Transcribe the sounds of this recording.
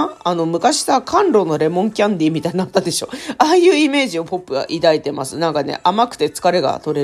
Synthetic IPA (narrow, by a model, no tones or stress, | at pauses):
ano̞mɯ̟kaɕi̥sakʰãnɾo̞no̞ɾe̞mõ̞ŋkʲãnd̪ʲiːmʲit̪ainat̪ːad̪e̞ɕo̞ːaːjɯ̟ːime̞ːʑio̞po̞pːɯ̟ɡa̰ʔid̪ait̪e̞masɨnãŋkane̞̰ʔamakɯ̟̥t̪e̞t͡sɨ̥kaɾe̞ɡa̰t̪o̞ɾe